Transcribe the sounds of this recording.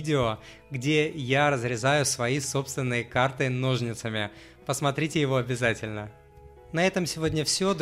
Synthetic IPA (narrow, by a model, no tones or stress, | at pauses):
dʲɪo | ɡdʲe̞jaɾəzɾʲɪzajʊsvɐiso̞pst̪vʲɪnːɨjəkart̪ɨno̞ʐnʲɪt̪səmʲɪ | pəsmɐt̪ɾʲitʲɪjɪvo̞ɐbʲɪzatʲɪlʲnə | nɐɛt̪əmsʲɪvodʲnʲəfsʲod̪